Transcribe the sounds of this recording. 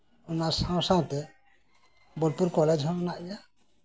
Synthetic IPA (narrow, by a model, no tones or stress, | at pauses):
umasãw̃sãw̃t̪ɛ | bɔlpuɾkɔlɛd͡ʒɦɔnnaʔija